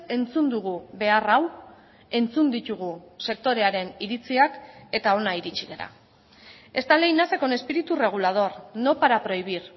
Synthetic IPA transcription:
e̞nt͡sund̪uɣ̞uβe̞araw | e̞nt͡sund̪it̪uɣ̞use̞k̚t̪o̞ɾe̞aɾe̞niɾit͡siake̞t̪ao̞naiɾit͡ʃiɣe̞ɾa̰ | e̞st̪ale̞jnasekone̞spiɾit̪ure̞ɣ̞ulað̞o̞rno̞paɾapɾo̞iβ̞iɾ

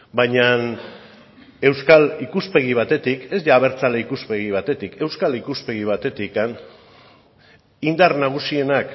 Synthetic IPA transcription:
bajɲan | e̞wskalikuspe̞ɣ̞iβ̞at̪e̞t̪ike̞zðaːβ̞e̞ɾt͡saleikuspe̞ɣiβ̞at̪e̞t̪ike̞wskalikuspe̞ɣiβ̞at̪e̞t̪ikan | ind̪arnaɣ̞usie̞nak

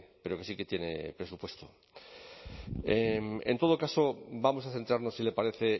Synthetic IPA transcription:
pe̞ɾo̞ke̞sike̞t̪jene̞̰pɾe̞supwe̞st̪o | emḛnt̪o̞ð̞okaso̞bamo̞s̬aθe̞nt̪ɾaɾno̞sile̞paɾe̞θe̞

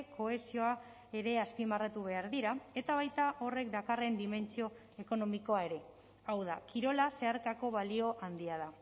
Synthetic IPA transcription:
ko̞e̞sio̞a | e̞ɾe̞aspimarat̪uβ̞e̞aɾðiɾae̞t̪aβajt̪aʔo̞re̞k̚d̪akare̞nd̪ime̞nt͡sio̞ | e̞ko̞no̞miko̞ae̞ɾe̞ | awð̞a̰kiɾo̞lase̞aɾkako̞βalio̞ʔand̪iað̞a

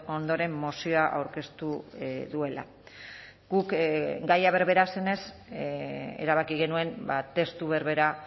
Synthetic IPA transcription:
o̞nd̪o̞ɾe̞mːosioaʔawɾke̞st̪uðue̞la̰ | ɡukɡajaβe̞ɾβe̞ɾase̞ne̞s | ḛɾaβ̞akiɣe̞nue̞nbat̪e̞st̪uβe̞ɾβe̞ɾa

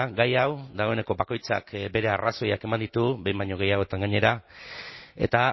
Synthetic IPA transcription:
ɡajawd̪aɣo̞e̞ne̞ko̞bako̞jt͡sa̰kbe̞ɾe̞araso̞jake̞mand̪it̪ubejmbajɲo̞ɣe̞jaɣot̪aŋɡaɲe̞ɾa | e̞̰t̪a

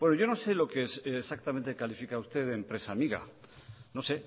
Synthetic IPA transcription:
bwe̞noʝo̞no̞se̞lo̞kessak̚t̪ament̪e̞kalifikaust̪e̞ðempɾe̞samiɣa̰no̞se̞

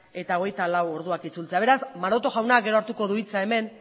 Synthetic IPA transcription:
e̞t̪ao̞ɣ̞e̞jt̪alawo̞ɾðuakit͡sult͡se̞aβe̞ɾasmaɾo̞t̪o̞ɣawnaɡe̞ɾo̞aɾt̪uko̞ðuit͡sae̞me̞n

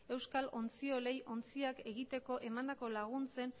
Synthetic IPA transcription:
e̞wskalʔo̞nt͡sio̞le̞jʔo̞nt͡siake̞ɣit̪e̞ko̞ʔe̞mand̪ako̞laɣ̞unt͡se̞n

